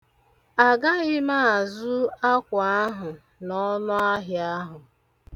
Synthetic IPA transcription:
a˨ɡa˦ɣɪ˦ma˦a˨zʊ˦a˦kʷa˨a˦ɦʊ˨ | nɔ˦nʊ˦a˦ɦja˦ɦʊ˨

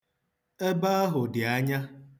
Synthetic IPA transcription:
e˦ba˦a˦ɦʊ˨dɪ˨a˦ɲa˦

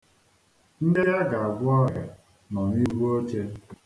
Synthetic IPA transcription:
n̩˦de˦ja˦ɡa˨a˨ɡʷʊ˦ɔ˦ɾa˨ | nɔ˨ni˦ɦu˦o˦t͡ʃe˦

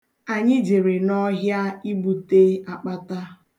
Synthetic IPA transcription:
a˨ɲɪ˦d͡ʒe˨ɾe˨nɔ˦ɦja˦i˦bu˨te˦a˨k͡pa˦ta˦

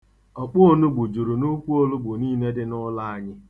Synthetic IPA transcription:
ɔ˨k͡pʊ˦o˦nu˦ɡ͡bʊ˨d͡ʒu˨ɾu˨nu˦kʷu˦o˦lʊ˦ɡ͡bʊ˨niː˦ne˦dɪ˦nʊ˦la˦a˦ɲɪ˦

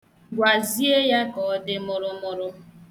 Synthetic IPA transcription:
ɡʷa˨zi˦e˦ja˦kɔ˨˦dɪ˦mʊ˦ɾʊ˦mʊ˦ɾʊ˦

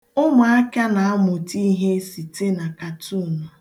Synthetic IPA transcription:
ʊ˦mʊ˨a˦ka˦na˨a˦mʊ˨ti˦ɦe˦si˨te˦na˨ka˨tu˦˨nʊ˨

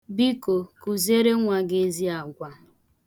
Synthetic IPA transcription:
bi˦ko˨ku˨ze˦ɾe˦ŋʷa˨ɡe˦zi˦a˨ɡʷa˦

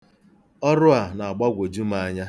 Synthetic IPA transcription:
ɔ˦ɾʊ˦a˨na˨a˨ɡ͡ba˦ɡʷo˨d͡ʒu˦ma˦ɲa˦

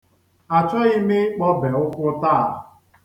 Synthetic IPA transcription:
a˨t͡ʃɔ˦i˦me˦k͡pɔ˦bɛ˨ʊ˦kʷʊ˦taː˦˨

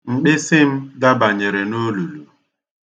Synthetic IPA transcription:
ŋ͡m̩˨k͡pɪ˦sɪ˦m̩˦da˦ba˨ɲe˨ɾe˨no˦lu˨lu˨

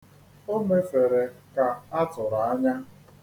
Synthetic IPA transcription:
o˦me˦fe˨ɾe˨ka˨a˦tʊ˨ɾa˨a˦ɲa˦

